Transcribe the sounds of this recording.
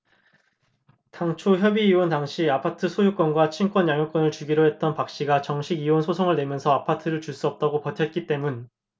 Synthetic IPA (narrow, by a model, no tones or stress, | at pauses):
taŋt͡ɕʰoçjʌbiːontaŋɕʰiapʰatʰɯsʰojuk͈ʌnɡwat͡ɕʰink͈wʌnjaŋjok͈wʌnɯɭt͡ɕuɡiɾoɦe̞t̚t͈ʌnpak̚ɕ͈iɡat͡ɕʌŋɕʰiɡionsʰosʰoŋɯɭnwe̞mjʌnsʰʌapʰatʰɯɾɯɭt͡ɕuɭs͈uʌp̚t͈aɡopʌtʰʌt̚k͈it͈e̞mun